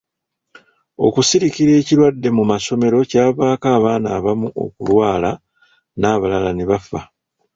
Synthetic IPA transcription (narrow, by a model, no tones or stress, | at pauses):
o̞̰kusiɾikiɾe̞ːciɾwadːe̞mumaso̞me̞ɾo̞caːβaːkaːβaːnaːβamuʔo̞̰kulwaːla | naːβalalaneβafa